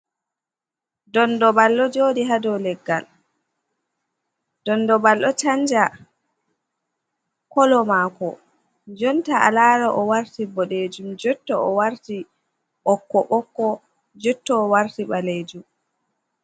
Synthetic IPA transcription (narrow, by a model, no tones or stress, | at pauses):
dɔndɔbalːɔd͡ʒoːdiɦadɔlɛɡːal | d̥ɔndɔbalːɔt͡ʃand͡ʒa | kɔlɔmaːkɔ | d͡ʒɔntaa̰laːɾɔʔɔwaɾtibɔɗed͡ʒumd͡ʒɔtːɔɔwaɾti | ɓɔkːɔɓɔkːɔ | d͡ʒɔtːɔːwaɾtiɓaleːd͡ʒum